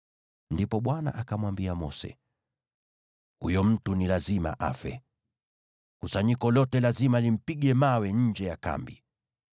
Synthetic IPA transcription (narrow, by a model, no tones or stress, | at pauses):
ndipɔɓwana̰ʔakamwambiamɔ̰sɛ̰ | hujɔm̩tunilazima̰ʔa̰fɛ̰ | kusaɲikɔlɔtɛlazimalim̩piɠɛmawɛɲ̩d͡ʒɛjaka̰mbi